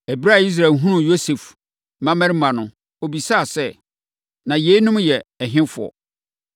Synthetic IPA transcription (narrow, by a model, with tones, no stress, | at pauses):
æ˨bi˦ɾa˦˨i˦s̬ɾa˨ɦũ˦nʊ̃˨jo˦se˨f | mã˦mæ˦ɾmã˨nʊ̃˨ | o˨bi˨sa˦˨sɛ˦ | nã˨je˨˦i˦nʊ̃˦mjɛ˨ɛ˨ɦɪ̃˦fʊ˨ɔ̰˨